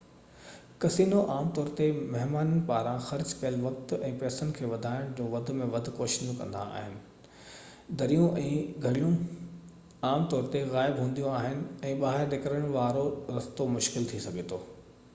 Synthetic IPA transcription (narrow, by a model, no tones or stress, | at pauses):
kɐsiːnoʔaːmt̪ɔːɾt̪emɐɦmaːnənɪ̆paːɾãxɐɾd͡ʑkɐjəlʋɐk̚t̪ɛ̃ːpɛːsənɪkʰeːʋɐd̪ʱaːɪɽ̃d͡ʑoːʋɐd̪ʱʊ̆mẽʋɐd̪ʱʊ̆koːʃɪnũkɐ̰̃nd̪a̰a̰ːɦɪnɪ̆ | d̪ɐɾijõʔɛ̃ːɡʱɐɽijũ | aːmt̪ɔːɾt̪eɣaːɪbɦũːn̆d̪ijũaːɦɪnɪ̆ɛ̃ːɓaːɦɪɾɗ̪ekəɾəɽ̃ʋaːɾoɾɐst̪omʊʃkɪlt̪ʰisɐɡʱet̪ʰoː